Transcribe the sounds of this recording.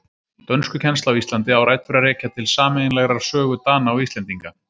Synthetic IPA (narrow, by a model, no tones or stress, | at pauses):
t̪œnskʏcʰɛnst̪awist̪lant̪̬ɪawɾaːjt̪fɪɾarɛːcat̪ʰɪlsaːmɛɪnlɛɣɾaɾ̥sœːɣʏt̪aːnaːwist̪lɛnt̪iŋka